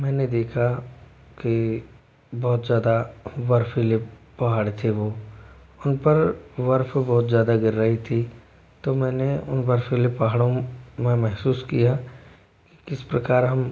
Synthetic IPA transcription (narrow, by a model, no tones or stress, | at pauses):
mɛ̃ːned̪eːkʰaki | bɔːt̪zjaːd̪aʋɐɾfʰileː | ɐɦaːɽt̪ʰeʋoː | ʊnpəɾʋɐɾfʰbɔːt̪zjaːd̪aɡɪɾːəɦit̪ʰi | t̪omɛ̃ːneʊ̰npɐɾfɪlepːɐɦaːɽõmẽmɛɦsuːskija | ki̥kɪspɾɐkaːɾɦɐm